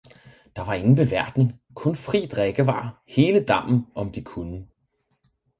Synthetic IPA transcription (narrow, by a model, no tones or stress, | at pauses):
d̥ɑ̈ʋɑ̈e̝ŋn̩b̥e̝ʋæɐd̥nən̩ | kʰɔ̽nfʁḭːd̥ʁɛɡ̥əʋɑ̰̈ːhe̝ːləd̥ɑ̈m̰n̩ɒ̽md̥ikʰunə